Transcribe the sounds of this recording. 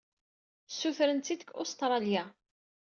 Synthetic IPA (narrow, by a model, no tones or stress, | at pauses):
sːuθɾənt̪id̪əkːʊ̰st̪ɾˤɑlja